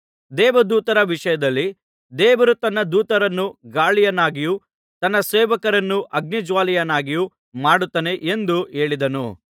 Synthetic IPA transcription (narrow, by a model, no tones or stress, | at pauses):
d̪ɛːʋɐd̪uːt̪ɐɾɐʋiʂɐjɐd̪ɐlːi | d̪ɛːʋɐɾut̪ɐnːɐd̪uːt̪ɐɾɐnːuɡaːɭijɐnːaːɡiju | t̪ɐnːɐseːʋɐkɐɾɐnːuʔɐɡnid͡ʒʋaːlijɐnaːɡiju | maːɽut̪ːɐne̞ʔend̪ue̞ːɭid̪ɐnu